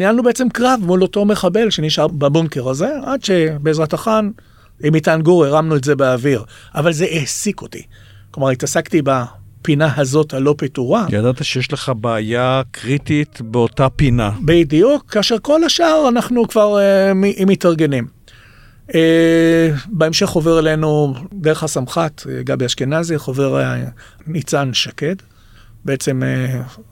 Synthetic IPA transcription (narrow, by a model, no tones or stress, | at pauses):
nijalnubeet͡semkʁavmulo̞to̞me̞χabe̞lʃe̞niʃaʁbabuŋke̞ʁaze̞ʔadʃe̞beːzʁataχan | imitanɡuʁeʁamnuetze̞beaviʁ | ʔavalze̞ʔesiko̞tḭ | klomaʁitasaktibapinaɦazo̞thalo̞pituʁaja̰d̪at̪aʃejɛʃleχabeːjakʰʁit̪it̪beo̞tapinabidijukːaːʃe̞ʁko̞laʃaaʁanaχnukvaʁemiʔmitaʁɡe̞nim | e | beemʃe̞χoveʁele̞nud̪eʁeχhasamχat̪ɡambeaʃkenazjaχove̞ʁ | nit͡sanʃake̞d | beet͡se̞me